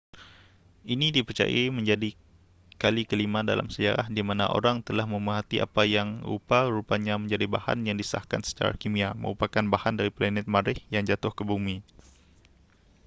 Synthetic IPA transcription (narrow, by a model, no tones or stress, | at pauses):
ʔinidipərt͡ʃa̰ja̰mə̃ɲd͡ʒadi | kalikəlimadala̰msəd͡ʒa̰ɾahdimana̰ʔo̰ɾaŋt̪əlahməməɦat̪iʔa̰pajaŋṵpaɾupaɲaməɲd͡ʒadibaha̰njaŋdisəa̰hka̰nsə̥t͡ʃa̰ɾa̰kimiamə̰ŋupakanbahandaɾiplanɛt̪̚maɾɪhjaŋd͡ʒat̪ʊhkəbumi